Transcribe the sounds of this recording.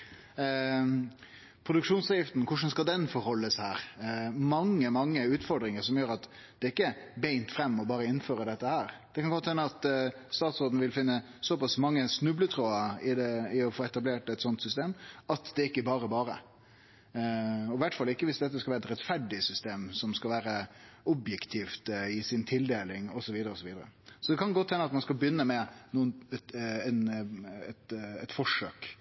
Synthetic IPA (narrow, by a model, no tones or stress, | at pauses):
pʰɾʊd̪ʉkʂuːnsɑːjɪft̪n̩kʰʊʂ̬ən̩skɑld̪ɛnfɔɾhɔlːəshæːɾmɑŋːəmɑŋːəʉːt̪fɔɖ̪ɾɪŋəɾsɔmjøːɾɑt̪ | d̪̥ɛɪkːəbæɪnt̪fɾɛmːɔbɑːɾəɪnføːɾəd̪ɛt̪ːəhæːɾd̪̥ɛkʰɑnɡɔt̪ːhɛnːəɑt̪st̪ɑːt̪soːd̪n̩əʋɪlfɪnːə | sɔpɑsmɑŋːəsnʉblət̪ʰɾoːəɪd̪ɛɪɔfoːɛt̪ɑbleːʈɛt̪sɔnt̪sʏst̪eːmɑt̪d̪ɛɪkːəbɑːɾəbɑːɾə̰ | ɔʋæʈfɑlːɪkːəʋɪsd̪ɛt̪ːəskɑlæːɾɛt̪ɾɛt̪fæɖɪsʏst̪eːmsɔmskɑlʋæːɾə | ɔbjɛkt̪ʰiːft̪ɪsɪnt̪ʰɪld̪eːlɪŋɔsɔʋiːd̪əɾəɔsɔʋiːd̪əɾə̰sɔd̪ɛkʰɑnɡɔt̪hɛnːəɑt̪mɑnskɑlbjʏnːəmɛnuːən | ɛnɛt̪ɛt̪fɔʂøːk